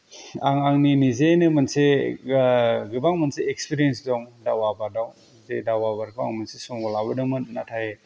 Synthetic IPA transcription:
aŋaŋninizenɯmɐnse | ɡɯbaŋmɐnseːkspiɾiensdɔŋdawabadaŋ | zedawabaɾɡɯba̰ŋmɯnsesɔŋbɔlabɯdɯmɯnnatʰaje

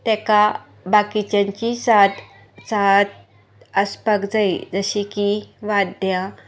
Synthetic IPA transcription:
t̪ɛka | bakit͡ɕãɲt͡ɕisat̪ | t͡sat̪̚ | əspəkd͡zaid͡zəɕikiʋad̪ja

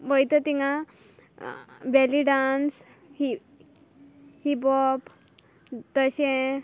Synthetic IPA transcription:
bəjt̪ət̪iŋa | bɛliɖans | hi | hibɔp | t̪əɕẽ

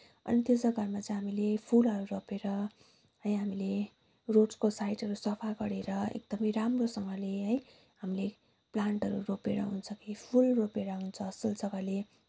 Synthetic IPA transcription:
ʌ̰nit̪josʌɡarmat͡sʌ̃ɦamilepʰulɦʌɾuɾopeɾʌ | ɦʌj̃ɦamile | roʈskosajʈɦʌɾusʌpʰaɡʌɾeɾʌḛk̚d̪̥ʌmʌjɾamrosʌŋɡʌleɦʌj | ɦamile | plaɳʈɦʌɾṵropeɾʌ̰ɦunt͡sʰʌkipʰulropeɾʌɦunt͡sʰʌːsild͡zʌɡale

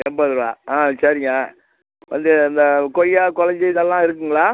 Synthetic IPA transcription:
ɛmbɐðɯɾʋa̰ːaːsɐɾɪŋɡɐ | ʋɐ̰nd̪ɯɪnd̪ɐkɔjːaːkɔlɐɲd͡ʒɐðɐlːãːɪɾɯk̬ːɯŋɡɐɭaː

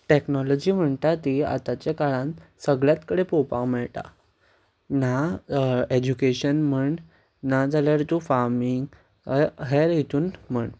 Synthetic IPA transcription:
ʈeknɔlɔd͡ʑiːm̤əɳt̪at̪ia̰t̪at͡ɕakaɭãnsəɡɭjat̪kəɽepɔpãkmɛɭʈa̰ | na | ed͡ʑukeɕənm̤əɳ | nad͡zaljaɾt̪ufaɾmiŋɡ | ɦeɾɦit̪ʰuːnm̤əɳ

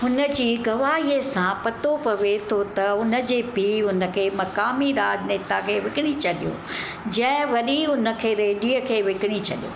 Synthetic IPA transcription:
ɦʊnə̆d͡ʑiːɡɐʋaːɦiəsãpɐt̪opɐʋet̪ʰot̪ɐʊnə̆d͡ʑeːpiːɦʊnə̆kʰeːmɐkaːmiɾaːd͡ʑneːt̪akʰeːʋɪkɪɽ̃it͡ɕɐɗijõ̰ | d͡ʑɐ̃ɦɪ̃ʋɐɗiʊnə̆kʰeːɾeːɗiːəkʰeːʋɪkɪɽ̃it͡ɕʰɐɗijo̰ː

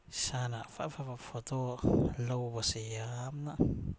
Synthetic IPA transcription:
sanafa̰fapapfotolowbasejamna

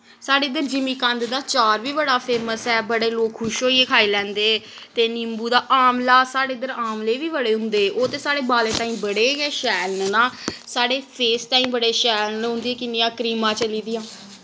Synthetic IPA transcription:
saːɽeːɪd̪əɾd͡ʒɪmiːkənd̪d̪aːt͡ʃaːɾʋiːbəɽaːpʰeːməsɛːbəɽeːloːkʰːʊʃɦoːieːkʰaːiːlɛ̃ːnd̪eː | t̪eːnɪmbuːd̪aːʔaːmlaːsaːɽeːɪd̪əɾaːmleːʋiːbəɽeːɦʊ̃nd̪eːoːt̪eːsaːɽeːbaːlẽːt̪ãːĩːbəɽeːɛːʃɛːlnnaːsaːɽeːpʰeːst̪ãːĩːbəɽeːʃɛːlnɦʊ̃nd̪iɛːkɪnɪjãːkɾiːmãːt͡ʃəliːd̪ɪjãː

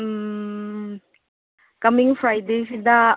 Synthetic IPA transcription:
kɐmɪŋfɾajd̪ejsid̪a

